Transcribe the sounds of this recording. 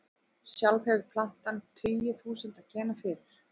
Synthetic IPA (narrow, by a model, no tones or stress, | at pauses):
sjalfɛðpʰlan̥t̪ant̪ʰiːjʏθuːsʏnt̪acɛːnafɪːɾɪɾ̥